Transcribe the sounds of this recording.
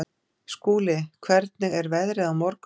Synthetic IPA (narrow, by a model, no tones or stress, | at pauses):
skuːlɪkʰvɛɾt̪̚nɪɣɛɾvɛðɾɪðawmɔɾk